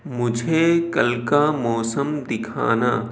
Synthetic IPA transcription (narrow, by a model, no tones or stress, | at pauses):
mʊd͡ʒʱekɐlkamɔːsəmd̪ɪkʰa̰ːnaː